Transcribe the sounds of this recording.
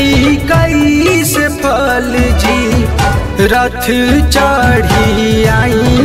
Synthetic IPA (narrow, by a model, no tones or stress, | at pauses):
ikəisepʰəld͡ʒiː | ɾɐt̪ʰɨt͡ʃaɽ̤iaːĩ